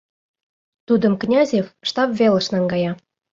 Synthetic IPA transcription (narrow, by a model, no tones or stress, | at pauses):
t̪ud̪ə̆mknʲɑzʲefʃt̪ɑpvʲelə̆ʃnɑŋɡɑjɑ